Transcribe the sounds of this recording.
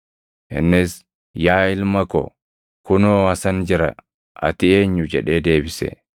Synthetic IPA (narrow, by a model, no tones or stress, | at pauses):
ʔɪ̰nːɪs | jaːɪlmɐkɔ̰ | kʊnoːɐsɐnd͡ʒɪɾɐ̰ | ʔɐ̰t̪ɪe̞ːɲːʊd͡ʒɛᶑe̞ːd̪e̞ːbɪsɛ̰